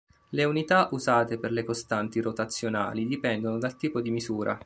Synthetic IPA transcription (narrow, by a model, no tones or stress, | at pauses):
leunit̪aʔuzaːt̪eperlekost̪ant̪iɾot̪at̪sːjona̰ːlid̪ipɛnd̪onod̪alt̪iːpod̪imizuːɾʔa̰